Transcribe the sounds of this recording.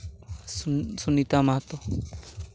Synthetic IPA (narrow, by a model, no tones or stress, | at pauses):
sunit̪amaɦt̪ɔ